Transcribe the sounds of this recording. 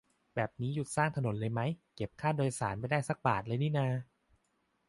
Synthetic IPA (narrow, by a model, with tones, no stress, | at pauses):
bɛː˨˩p̚niː˦˥ju˨˩t̪̚saː˥˩ŋt̪ʰa˧no˨˩˦nlɤː˧jma˦˥jke˨˩p̚kʰaː˥˩doː˧jsaː˩˦nma˧jdaː˥˩jsa˦˥k̚ba̰ː˨˩t̪̚lɤː˧jniː˥˩naː˧